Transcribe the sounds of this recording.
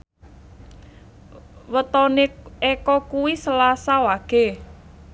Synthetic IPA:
wət̪ɔneɛkɔkuwisəlasawaɡ̥e̤

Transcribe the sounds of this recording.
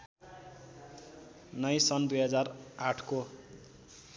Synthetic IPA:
nʌjsʌnd̪ujɦʌd͡zaraʈʰko

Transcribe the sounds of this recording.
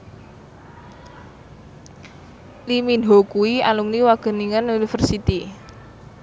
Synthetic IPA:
liminɦokuia̰lumniwaɡ̥ə̤niŋənunifərsit̪i

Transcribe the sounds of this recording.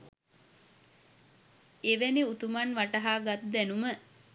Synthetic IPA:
eʋæniut̪umanʋaʈəɦaːɡat̪d̪ænumə

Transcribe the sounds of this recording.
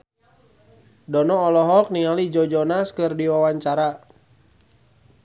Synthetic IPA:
dɔnɔɔlɔɦɔk̚niŋalid͡ʒɔd͡ʒɔnaskɨrdiwawaɲt͡ʃaɾa

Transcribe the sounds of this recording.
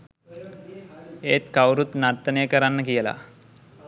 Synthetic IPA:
eːt̪kawɾut̪nart̪ənəjəkəɾanːəkijəla̰

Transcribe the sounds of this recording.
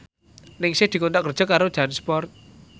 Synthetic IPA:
nɪŋsɪhd̪̥i̤kont̪aʔkərd̥ʒ̥ɔ̤kaɾod̥ʒ̥anspɔrt̪̚

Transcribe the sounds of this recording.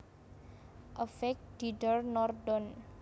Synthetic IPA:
ʔəfɛk̚d̥idərnɔrdɔn

